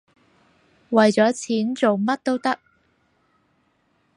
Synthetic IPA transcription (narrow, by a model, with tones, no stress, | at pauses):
wɐ˨jt͡sɔː˨˥t͡sʰiː˨˥nt͡so˨wmɐ˥t̚t̪o˥wt̪ɐ˥k̚